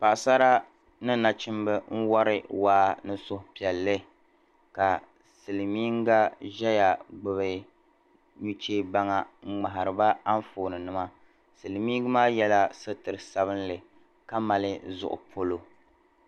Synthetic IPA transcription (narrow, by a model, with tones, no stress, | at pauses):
pa˨ʔsa˦ɾa˦ | nɨ˦na˨t͡ʃɪ˦m˦bɨ˦n̩˦wa˦ɾɨ˦waː˦nɨ˦sʊ˦hpi˨ɛ˨lːɨ˦ | ka˨ | sɨ˨lɨ˨miː˦ŋ˦ɡa˦ʒɛ˦ja˨ɡ͡bɨ˨βɨ˨ | ɲu˦t͡ʃeː˦ba˦ŋa˨ŋ͡m̩˦ŋ͡ma˨ɦa˨ɾɨ˨ba˦a˦ɱ˦foː˨nɨ˨nɨ˦ma˦ | sɨ˨lɨ˨miː˦ŋɡɨ˦maː˦jɛ˦la˦sɨ˦tɨ˨ɾɨ˨sa˦βɨ˦nlɨ˨ | ka˦ma˨lɨ˦zʊ̰˨ʔʊ̰˨pʰo˦lo˦